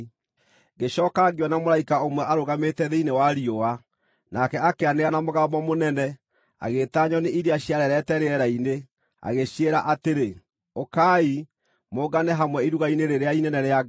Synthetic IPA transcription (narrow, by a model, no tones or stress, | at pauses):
ɣeɕɔːkaɡewɔnamoɾaikaomwɛʔaɾoɣametɛðeinewaɾioa | nakɛakeaneanamoɣamɔmonɛnɛ | a̰ɣetaɲɔneʔiɾeaɕiaɾɛɾɛtɛɾeɛɾaine | a̰ɣeɕieɾaʔateɾe | okaːi | moɡanɛɦamwɛiɾuɣaineɾeɾeainɛnɛɾea